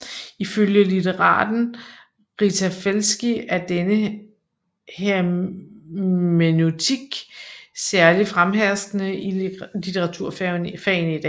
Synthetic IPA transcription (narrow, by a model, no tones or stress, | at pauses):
iføljəlit͡sʰeʁɑ̰̈ːd̥n̩ | ʁit͡sʰæfelsɡ̥iæɐd̥enə | heɐ | menot͡sʰiɡ̥sæɐlifʁamɦæsd̥nəilit͡sʰeʁɑ̈t͡sʰuɐ̰ffɛnid̥ɛ̰